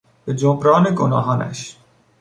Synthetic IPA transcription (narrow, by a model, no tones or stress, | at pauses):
bed͡ʒobɾɑːneɡonɑ̰ːɦɑːnæ̰ʃ